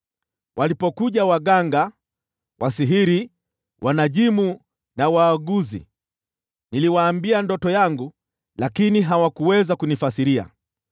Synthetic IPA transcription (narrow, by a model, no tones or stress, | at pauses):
wʔalipɔkuʄawaɠaŋɡa | wʔasiɦiɾi | wʔanaʄimu | nawaːɡuzḭ | niliwaːmbiandɔtɔjaŋɡu | lakiniɦawakuwɛzakunifasiɾia̰